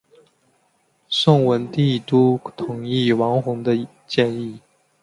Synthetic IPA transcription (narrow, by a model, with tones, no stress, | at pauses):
sʊ˥˩ŋwə˧˦˥nt̪i˥˩t̪u˥t̪ʰʊ˨˩ŋi˥˩wɑ˧˥ŋxʊ˧˥ŋd̪ə˧ | t͡ɕjɛ˥˧ni˥˩